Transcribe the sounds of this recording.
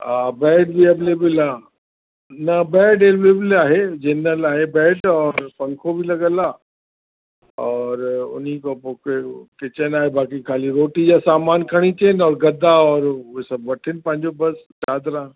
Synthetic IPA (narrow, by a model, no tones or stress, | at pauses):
aːbɛːɖbieːbleːbɪlaː | nɐbɛːɖeːʋleːbɪlaːɦed͡ʑeːnəlaːɦebɛːɖɔːɾpɐ̃ŋkʰobɪlɐɡəlaː | ɔːɾʊ̰nikopoːkekɪt͡ɕənaːɦebaːkikʰaːliɾoːʈid͡ʑaːsaːmaːnkʰɐɽ̃it͡ɕeːnɔːɾɡɐd̪ʱaɔːɾʊɦesɐbʋɐʈʰɪnɪ̆pɐ̃ɦɪ̃ɲd͡ʑobɐs | t͡ɕaːd̪ɾaː